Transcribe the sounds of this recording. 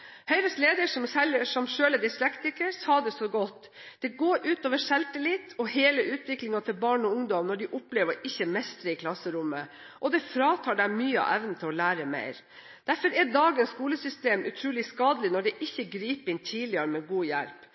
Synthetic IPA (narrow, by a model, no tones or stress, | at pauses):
hœʏɾəsleːd̪əʂɔmsɛləʂɔmʃøːləɖ̪ɪslɛkt̪ɪkəshɑɖ̪ɛsɔɡɔt̪ː | d̪̥ɛɡoːɾʉːt̪oːʋəʂɛlt̪əlɪt̪ʰːɔheːləʔʉːt̪ʰʋɪklɪŋɑt̪ʰɪlbɑːɳɔʊŋd̪ɔmnɔɖɪʔʊpleːʋəɾɪçːəmɛst̪ɾəɪkʰlɑsəɾʊmə | ʔɔd̪ɛfɾɑːt̪ʰɑːɖæɪmyːəɑ̰ʔɛʋnət̪ʰɪlɔlæːɾəmḛɪɾ | d̪̥æɾfɔɾɛd̪ɑːɡənsskuːləsʏst̪eːmʉ̰t̪ʰɾuːlɪskɑːd̪əlɪnɔɖɛʔɪçːəɡɾiːpəɪnt̪ʰiːlɪəɾəmeɡuːjæ̰lp